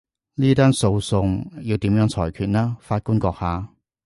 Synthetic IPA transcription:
niː˥t̪aː˥nso˧wsʊ˧ŋjiː˧wt̪iː˨˥mjœː˨˥ŋt͡sʰɔː˨˩jkʰyː˨˩t̚naː˥faː˧t̚kuː˥nkɔː˧k̚haː˨˥

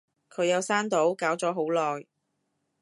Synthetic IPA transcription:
kʰɵ˨˧ɥjɐ˨˧wsaː˥nt̪o˨˥wkaː˨˥wt͡sɔː˨˥ɦo˨˥wlɔː˨j

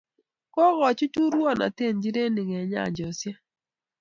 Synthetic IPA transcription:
kɔ˦ɣɔ˨t͡ʃu˦t͡ʃu˦ɾwɔ˦˨na̰˨te˦˨nd͡ʒi˦ɾe˦nɪ˨ŋɛ˨ɲa̰˦˨ɲd͡ʒɔ˨sja˦

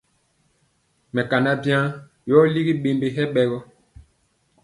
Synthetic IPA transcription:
mɛ˨ka˨na˦bjã˦ | jɔ˦li˦ɡi˦ɓe˨mbe˨ɦɛ˦ɓɛ˨ɣɔ˦

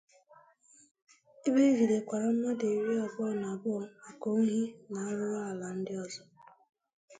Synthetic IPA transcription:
i˦be˦vi˨ɾe˨kʷa˨ɾa˦m̩˦ma˦de˨ɾi˦ɔ˨bɔ˦˨na˨bʊ˦˨a˨ko˨˦ŋ̩˦ɦi˦na˨a˦ɾʊ˦wa˦a˨la˨n̩˦dɪ˦ɔ˦˨zɔ˦

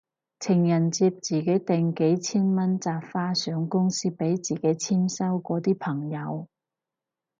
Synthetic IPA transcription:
t͡sʰɪ˨˩ŋjɐ˨˩nt͡siː˧p̚t͡siː˨ke˨˥jt̪ɪ˨ŋke˨˥jt͡sʰiː˥nmɐ˥nt͡saː˧pfaː˥sœː˨˥ŋkʊ˥ŋsiː˥pe˨˥jt͡siː˨ke˨˥jt͡sʰiː˥msɐ˥wkɔː˨˥t̪iː˥pʰɐ˨˩ŋjɐ˨˧w

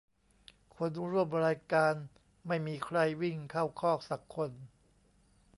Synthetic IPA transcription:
kʰo˧nɾu˥˩əmɾaː˧jkaː˧n | ma˥˩jmiː˧kʰɾa˧jwi˥˩ŋkʰa˥˩wkʰɔː˥˩k̚sa˨˩kʰːo˧n

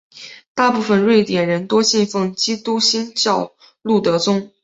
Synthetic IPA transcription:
t̪a˥˧pu˥˩fə˥˧nɻwe˥˩ɪt̪jɛ˨˩nɻə˧˥nt̪wɔ˥ɕi˥˧nfɤ˥˩ŋt͡ɕi˥t̪u˥ɕi˥nt͡ɕjɑ˥˧ʊ | lu˥˩t̪ɤ˧˥t͡sʊ˥ŋ

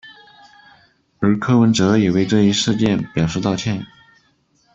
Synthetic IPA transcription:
ə˧˥kʰɤ˥wə˧˥nʈ͡ʂɤ˧˥ji˨˩we˥˧ɪʈ͡ʂɤ˥˧i˥ʂɻ̩˥˧t͡ɕjɛ˥˩npjɑ˨˩ʊʂɻ̩˥˧t̪ɑ˥˧ʊt͡ɕʰjɛ˥˩n˨˩˦

